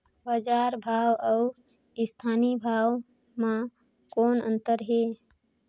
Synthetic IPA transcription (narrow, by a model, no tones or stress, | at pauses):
baːd͡ʒaːɾbʱaːwəʊ | ɪst̪ʰaːnibʱaːw | mã | koːnə̰̃nt̪əɾɦeː